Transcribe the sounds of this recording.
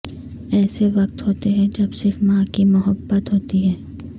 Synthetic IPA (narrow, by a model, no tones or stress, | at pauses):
ɛːseʋɐq̚t̪ɦoːt̪eɦɛ̃d͡ʒɐbsɪɾfmãːkimʊɦəbːət̪ɦoːt̪iɦɛː